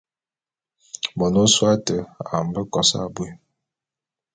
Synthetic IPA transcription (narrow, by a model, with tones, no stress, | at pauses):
bɔ˨no˦swa˦tə˨a̰˨m̩˨bə˦kɔ˨sa̰˦˨bwe˦